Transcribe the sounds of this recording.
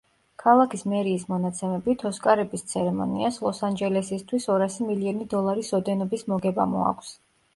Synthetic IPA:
kʰalˠakʰismɛɾiːsmɔnat̪sʰɛmɛbit̪ʰɔskʼaɾɛbist̪sʰɛɾɛmɔ̰nḭaslˠɔsand͡ʒɛlɛsist̪ʰwisɔɾasimiliɔnid̪ɔlˠaɾisɔd̪ɛnɔbismɔɡɛba̰mṵa̰kʰʷs

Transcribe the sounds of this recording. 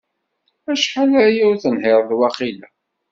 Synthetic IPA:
æʃħalæjʊɾθənhɪɾˤðwæχilæ

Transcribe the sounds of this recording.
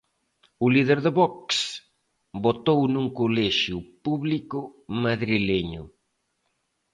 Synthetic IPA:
ʊliðeɾðeβɔks | bot̪ownuŋkolɛʃjupuβlikʊmaðɾileɲʊ̰

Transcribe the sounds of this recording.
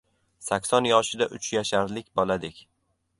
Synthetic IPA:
sakʲsɒnjɒʃɪd̪aʔʊt͡ʃjaʃaɾlɪkʲbɒlad̪ɪkʲ

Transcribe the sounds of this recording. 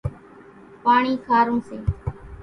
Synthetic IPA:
paːɳiːkʰaːɾõːsẽː

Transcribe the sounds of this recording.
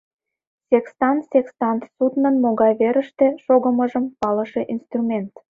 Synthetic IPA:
sʲekst̪ɑnsekst̪ɑnsut̪nənmoɣɑjβeɾəʃt̪eʃoɣəməʒəmpɑləʃeʔinst̪rumʲent̪

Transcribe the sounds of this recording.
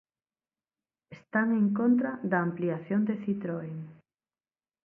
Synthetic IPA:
est̪aŋeŋkont̪ɾaðaːmpliaθjond̪eθit̪ɾoeŋ

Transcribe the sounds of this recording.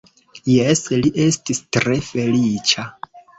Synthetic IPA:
jesliʔe̞stistɾe̞fe̞lit͡ʃa

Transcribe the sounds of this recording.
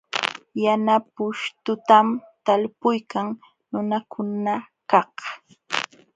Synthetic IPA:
janapʊʃt̪ʊt̪amt̪alpʊjkaŋ | nʊnakʰʊna | kɑh

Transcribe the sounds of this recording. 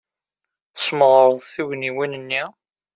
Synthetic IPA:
sməʁɾˤəðˤθuʝniwinənːi

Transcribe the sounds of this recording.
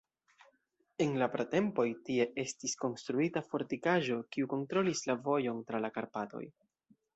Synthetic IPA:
e̞nlapɾate̞mpo̞jtie̞ʔe̞stisko̞nstɾuitafo̞ɾtikaʒo̞kiuko̞ntɾo̞lislavo̞jo̞ntɾalakaɾpato̞̰j

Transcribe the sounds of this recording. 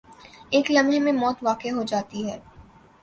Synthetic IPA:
eːklɐmemẽmɔːt̪ʋaːkeɦod͡ʒaːt̪iɦɛː

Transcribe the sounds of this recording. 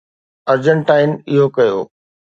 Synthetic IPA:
ɐɾd͡ʑəɳʈaːɪnɪɦokɐjo̰ː

